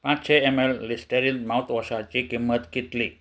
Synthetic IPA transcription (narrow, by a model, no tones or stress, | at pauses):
pãt͡ʃeɛmɛlːisʈəɾinmaut̪wasat͡ʃikimət̪̚kit̪li